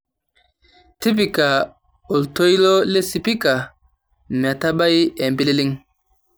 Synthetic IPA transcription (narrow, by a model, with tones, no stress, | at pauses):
ti˦p̬i˨ka˨ | o˨lto˦jlo˦le˦si˨pi˦ka˨ | ma˨ta˦ɓa˦je˨mbi˦li˦li˦ŋ